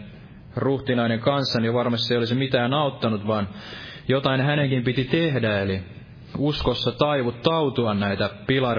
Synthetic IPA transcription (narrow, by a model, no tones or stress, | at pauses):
ruht̪inɑineŋkɑnsːɑnijoʋɑrmɑst̪iejolismit̪æːnɑut̪ːɑnut̪ʋɑːn | jot̪ɑinhæneŋkimpit̪it̪ehdæeli | uskosːɑt̪ɑiʋut̪t̪ɑut̪uɑnnæit̪æpilɑr